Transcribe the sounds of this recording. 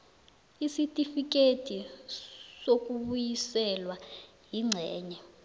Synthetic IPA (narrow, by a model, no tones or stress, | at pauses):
isitʼifik̬ʼetʰi | sok̬ʼuɓujisɛlwa | jiŋ͡ǀʱɛːɲɛ